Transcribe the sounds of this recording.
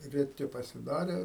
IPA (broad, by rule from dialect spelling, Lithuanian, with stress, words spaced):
rʲɛˈtʲɪ pɐsʲɪˈdɑːrʲeː